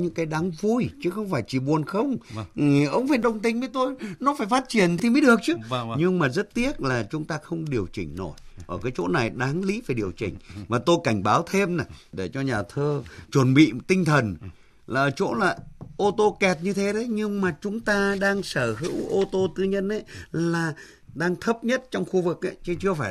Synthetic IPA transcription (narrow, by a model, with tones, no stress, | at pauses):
ɲɨ̰˧˥ŋkaː˨˦jɗaː˨˦ŋvu˧jt͡ɕɨ˨˦xə˧wŋ͡mfaː˧˩jt͡ɕi˧˩ɓu˨˩ənxə˧wŋ͡mʔʔə˧˦wŋ͡mfe˧˩nɗə˧wŋ͡mt̪ï˧ŋ̟və˨˦jt̪o˧jnɔ˨˦faː˧˩jfaː˦˥t̚t͡ɕi˧˩ənt̪ʰi˨˩mə˨˦jɗɨ˨˩ək̚t͡ɕɨ˨˦ɲɨ˧ŋmaː˨˩zə˦˥t̚t̪i˦˥ət̚laː˨˩t͡ɕʊ˨˦ŋ͡mt̪aː˧xə˧wŋ͡mɗi˨˩əwt͡ɕï˨˩ŋ̟no˧˩jʔəː˧˩kaː˨˦jt͡ɕo̰˧˥na˨˩jɗaː˨˦ŋlḭ˧˦˥va˨˩ɗi˨˩əwt͡ɕï˨˩ŋ̟maː˨˩t̪o˧jka˧˩jŋ̟ɓaː˨˦wt̪ʰe˧mna˨˩ɗe˧˩t͡ɕɔ˧ɲaː˨˩t̪ʰəː˧t͡ɕwə˧˩nɓḭ˧˨t̪ï˧ŋ̟t̪ʰə˨˩n | laː˨˩ʔəː˧˩t͡ɕo̰˧˥laː˨˩ʔo˧t̪o˧kɛ˨˩t̚ɲɨ˧t̪ʰe˨˦ɗɲɨ˧ŋmaː˨˩t͡ɕʊ˨˦ŋ͡mt̪aː˧ɗaː˧ŋsəː˧˩ɦɨ̰˧˥wʔo˧t̪o˧t̪ɨ˧ɲə˧nʔə˧˦jlaː˨˩ | ɗaː˧ŋt̪ʰə˦˥p̚ɲə˦˥t̚t͡ɕɔ˧wŋ͡mxu˧vɨ˨˩k̚ʔa˧˦jt͡ɕɨ˨˦t͡ɕɨ˧əfaː˧˩